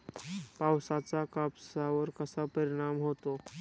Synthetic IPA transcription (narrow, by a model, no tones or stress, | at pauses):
paːwsat͡sakapsaɔɾkəsapəɾɪɽ̃aːmɦoːt̪o